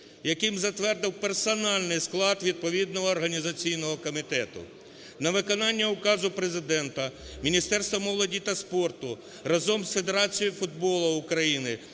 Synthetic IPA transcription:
jɐkɪmzɐt̪ʋɛrd̪ɪwpersɔnɑlʲnɪjsklˠɑd̪ʋʲid̪̚pɔʋʲid̪̚nɔɦɔːrɦɐnʲizɐt͡sʲijnɔɦɔkɔmʲit̪ɛt̪ʊ̰ | nɐʋɪkɔnɑnʲːɐʊkɑzʊpɾezɪd̪ɛnt̪ɐmʲinʲist̪ɛrst̪ʋɔmɔwlˠɔdʲit̪ɐspɔrt̪ʊ | ɾɐzɔmsfed̪e̞ɾɑt͡sʲijifʊd̪bɔlˠʊʊkɾɐjinɪ

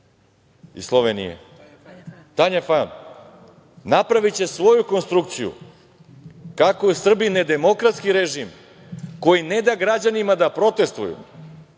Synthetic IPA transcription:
ḭslˠoʋenḭjḛ | t̪aɲafan | napɾaʋit͡ɕe̞sʋo̞juko̞nst̪ɾuk̚t̪sijṵ | kakoesr̩bined̪e̞mo̞kɾat̪skiɾeʒim | ko̞jine̞d̪aɡɾad͡ʑanimad̪apɾo̞t̪e̞st̪ujṵ

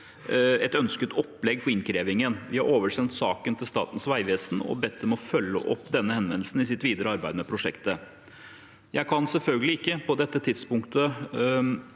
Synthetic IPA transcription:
ɛt̪œnskət̪ʰɔpːlɛɡfɔɾɪnkʰɾeːʋɪŋənʋɪhɑɾʔoːʋəʂɛnt̪sɑːkənt̪ʰɪlst̪ɑ̰ːt̪n̩sʋæɪʋeːsn̩ɔ̰bɛt̪ʰːəmɛɔfœlːə̰ʔɔpːd̪ɛnːəhɛnʋɛnl̩sn̩ɪsɪt̪ʋiːd̪əɾəɑɾbæɪd̪mɛpʰɾʊʂɛkt̪ə | jæɪkʰɑnsɛlfœlɡəlɪɪkːəpɔd̪ɛt̪ːət̪ʰɪd̪spʊŋkt̪ə

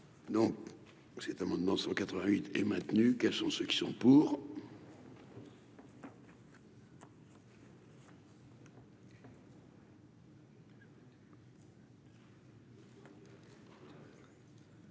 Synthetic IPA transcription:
d̪ɔ̃k | sɛt̪amɑ̃d̪mɑ̃d̪əsɑ̃kat̪χəvɛ̃ɥit̪ɛ̰mɛ̃t̪nykɛlsɔ̃søkʲi̥sɔ̃puːʁ

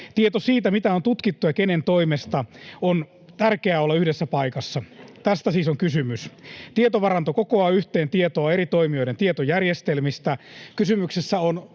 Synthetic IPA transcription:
t̪iet̪osiːt̪æmit̪æo̞nt̪ut̪kit̪ːujɑkene̞nt̪o̞imest̪ɑon | t̪ærkeæolːɑyhdesːæpɑikɑsːɑt̪æst̪æsiːsoŋkysymyst̪iet̪oʋɑrɑnt̪okokoɑːyht̪e̞ːnt̪iet̪oɑe̞ɾit̪o̞imio̞jɾent̪iet̪ojærjest̪elmist̪ækysymyksesːæon

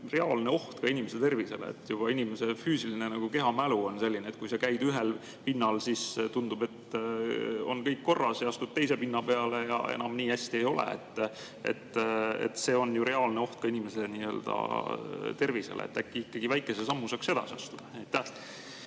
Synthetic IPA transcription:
re̞ɑːlne̞o̞ht̪kɑinimese̞t̪e̞rvise̞̰lḛḛt̪ːjub̥ɑinime̞se̞fyːsilinenɑɡ̥uke̞ɦɑmæluo̞nse̞lʲːineːt̪̚kujsekæjd̪yɦe̞l | pinːɑlsist̪und̪ub̥e̞t̪ː | o̞nkɤjkːo̞rːɑseɑst̪ud̪̚t̪e̞jse̞pinːɑpe̞ɑle̞jɑ̰e̞̰nɑmniːhæsʲt̪ie̞jo̞lḛḛt̪ːˑ | ḛt̪ːḛt̪ːse̞ːo̞njuɾe̞ɑlne̞o̞ht̪̚kɑinime̞se̞niːø̞ːld̪̥ɑ̰ | t̪e̞rvise̞̰lḛḛt̪ːækːiikːɑɡivæjkːˑe̞sesɑmːusɑkse̞d̪ɑ̰sʲɑst̪ud̪̥ejt̪ːæh

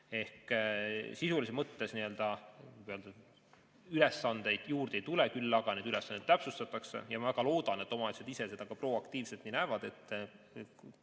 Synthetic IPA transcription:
e̞hk | sisulisemɤt̪ːe̞sniø̞ld̪̥ɑøld̪ɑ | yle̞sːɑnd̪̥e̞jd̪̥juːrd̪̥e̞jt̪ulekylːɑɡ̥ɑne̞d̪̥yle̞sːɑnd̪et̪ːæpsust̪ɑt̪ːˑɑkse̞̰jɑmɑvæɡ̥ɑlo̞ːd̪̥ɑne̞t̪ːˑo̞mɑesed̪isese̞d̪̥ɑɡ̥ɑpro̞ːɑkt̪iːvset̪ninæːvɑd̪̥e̞t̪ːˑ

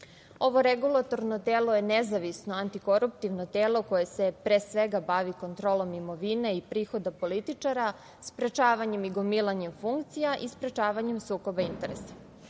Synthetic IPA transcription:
o̞ʋo̞ɾeɡulˠat̪o̞ɾno̞t̪eːlojenezaʋisnoant̪iko̞ɾupt̪iʋnot̪eːlo̞ko̞je̞se̞pɾeːsʋeɡabaʋiko̞nt̪ɾo̞ːlˠo̞mimo̞ʋine̞ipɾiːxo̞d̪apo̞lit̪it͡ʂaɾa | spɾet͡ʃaːʋaɲe̞miɡomilˠaɲe̞mfuŋkt̪sijaʔispɾe̞t͡ʃaːʋaɲe̞msuːko̞baint̪e̞ɾḛsḁ

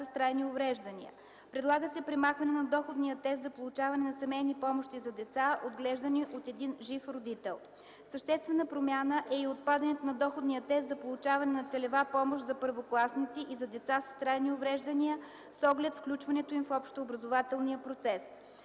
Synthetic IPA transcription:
əst̪ɾajniovɾɛʒd̪ənḭə̰ | pɾɛd̪lˠaɡəsɛpɾɛmaxvɐnɛnɐd̪ɔxod̪niət̪ɛst̪zɐpolˠʊt͡ʃavɐnɛnɐsɐmɛjnipɔmoʃt̪izɐd̪ɛt̪saod̪ɡlɛʒd̪əniʔot̪ɛd̪inʒifɾod̪it̪ɛlˠ | səʃt̪ɛst̪vɛnəpɾomʲjanəʔɛiot̪̚pad̪ɐnɛt̪onɐd̪ɔxod̪nijət̪ɛst̪zɐpolˠʊt͡ʃavɐnɛnɐt̪sɛlɛvapɔmoʃzɐpəɾvoklˠasnit̪siʔizɐd̪ɛt̪sasə̥st̪ɾajniovɾɛʒd̪əniə | sɔɡlɛt̪fklʲut͡ʃvɐnɛt̪oimfɔpʃt̪oːbɾɐzovat̪ɛlˠniəpɾot̪sɛs

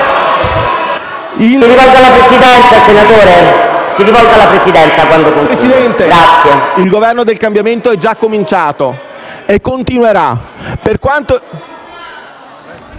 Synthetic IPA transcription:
iiɾivɔlɡ̪alːapɾesid̪ɛnt̪sasenat̪oːɾesiɾivɔld̪alapɾesid̪ɛnt̪sakwand̪okonɾesid̪ɛnt̪eɡɾat̪sːjeilɡovɛrnod̪elkambjament̪oɛd͡ʒːakːomint͡ʃaːt̪o | ekːont̪inweɾa̰perkwant̪o

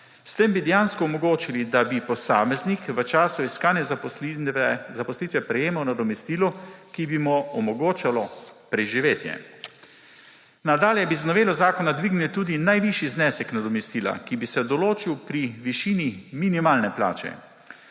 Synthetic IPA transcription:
st̪embid̪ɛjaːnskɔɔmɔɡoːt͡ʃilid̪abipɔsaːmɛznikʋət͡ʃaːsuiskaːnjɛ | ɛzapɔslit̪ʋɛpɾɛjeːmawnad̪ɔmɛst̪iːlɔkibimɔɔmɔɡoːt͡ʃalɔpɾɛʒiʋeːt̪jɛ̰ | nad̪aːljɛbiznɔʋeːlɔzaːkɔnad̪ʋiɡnilt̪uːd̪inajʋiʃjiznɛːsɛknad̪ɔmɛst̪iːla̰kibisɛd̪ɔloːt͡ʃiwpɾiʋiʃiːniminimaːlnɛpla̰ːt͡ʃɛ̰

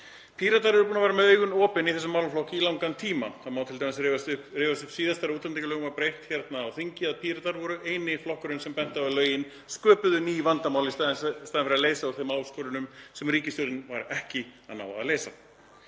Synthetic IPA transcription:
pʰiːɾat̪aɾɛɾʏpunavɛːɾamɛðœːɥjɣʏnɔːpɪniθɛsːʏmːaːwlaflɔhcɪilawŋkant̪ʰiːmaaðmaːwt̪ʰɪlt̪ʰajmas̬vast̪ʏhpreːvast̪ʏhpsiːðast̪aɾuːt̪amt̪ecɪlœːɣʏmvaɾpɾejht̪çɛɾt̪naːwθiɲcɪaðpʰiːɾat̪aɾvɔɾʏʔeːjnɪflɔhkʏɾʏnsɛmpɛn̥t̪aalœːɥjɪn | skœːpʏðʏniːvant̪amaːwlɪsst̪aːðɪnfɪɾɪɾaleːjsaɔθemaːwskɔːɾʏnʏmsɛmriːcɪst̪ɔɾɪnvaɾɛhcɪaðna̰wa̰ðaleːjsa̰

